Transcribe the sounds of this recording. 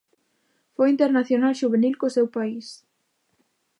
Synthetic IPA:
fojint̪eɾnaθjonalʃuβenilkosewpais

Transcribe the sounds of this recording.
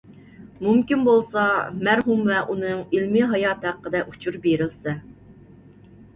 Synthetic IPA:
mumkʲinbolˠsɑmæɾɦumvɛʔunɨŋilmɪɦɑjɑːt̪hæqːəd̪ɛʔut͡ʃʰuɾbeɾɪlsɛ

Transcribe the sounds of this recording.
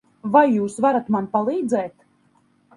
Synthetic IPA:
vajːuːsvaɾat̪manpalˠiːd̪zɛːt̪

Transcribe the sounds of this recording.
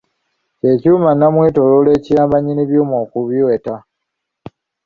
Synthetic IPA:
ce̞cuːmanːamwetolole̞ːcijaːmbaɲiniβjuːmoːkuβiweta

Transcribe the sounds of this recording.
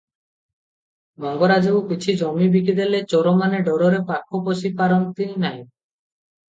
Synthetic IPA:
mɔŋɡoɾad͡ʒewkit͡ʃʰid͡ʒɔmibik̬id̪elet͡ʃɔɾomaneɖɔɾoɾepakʰːoposipaɾɔnt̪ininaj

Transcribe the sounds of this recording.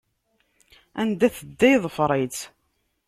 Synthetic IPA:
ænd̪æθəd̪ːæjðˤfɾˤet͡s

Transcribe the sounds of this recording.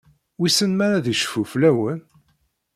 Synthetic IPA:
wisənmæɾæðiʃə̥fuflæwən

